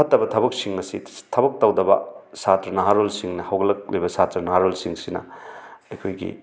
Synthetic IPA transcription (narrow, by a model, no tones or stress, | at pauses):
ɐtːɐbɐtʰɐbɐk̚siŋmɐsitʰɐbɐk̚tɐwdɐbɐ̰satɾɐnɐɦaɾolsiŋnɐhɐwɡɐlɐk̚lḛjbɐsatɾɐnɐɦaɾolsiŋsinɐ̰ɐjkʰojɡḭ